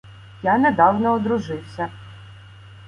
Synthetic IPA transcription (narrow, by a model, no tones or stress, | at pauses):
janɛd̪ɑwnɔːd̪ɾʊʒɪwsʲɐ